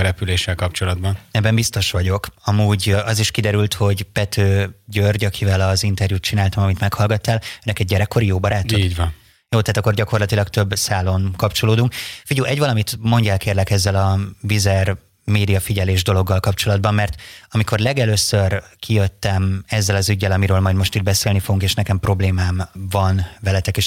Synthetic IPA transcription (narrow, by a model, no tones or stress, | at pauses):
ɾɛpyleːʃːɛlkɒpt͡ʃo̞lɒd̪bɒnɛbːɛmbist̪o̞ʃʋɒɟo̞kɒmuːɟɒziʃkid̪ɛɾylt̪ho̞ɟpɛt̪ʰøːɟørɟɒkʰivɛlɒzint̪ɛrjut̪t͡ʃinaːlt̪ɒmɒmit̪mɛkhɒlɡɒt̪ːaːløːnɛkɛɟːɛɾɛkːo̞ɾijoːbɒɾaːt̪oiːɟvɒn | joːt̪aːt̪ɒkːo̞rɟɒko̞rlɒt̪ilɒɡt̪ø̞bːsaːlo̞nkɒpt͡ʃo̞loːd̪uŋkfiɟuʔɛɟvɒlɒmit̪mo̞ɲɟɛːlkeːrlɛkɛzːɛlɒvizɛr | meːd̪ijɒfiɟɛleːʒd̪o̞lo̞ɡːɒlkɒpt͡ʃo̞lɒd̪bɒmːɛrt̪ɒmiko̞rlɛɡɛløːsørkijøt̪ːɛmɛzːɛlɒzyɟːɛlɒmiɾøːlmɒjd̪mo̞ʃt̪id̪̚bɛseːlnifoɡuŋkeːʃnɛkɛmpro̞bleːmaːmvɒnvɛlɛt̪ɛkeːʃ